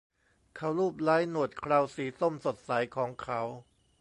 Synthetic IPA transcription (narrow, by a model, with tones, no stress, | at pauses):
kʰa˦˥wɾuː˥˩p̚laː˦˥jnu˨˩ət̪̚kʰɾaː˧wsiː˩˦so˥˩mso˨˩t̪̚sa˩˦jkʰɔː˩˦ŋkʰa˦˥w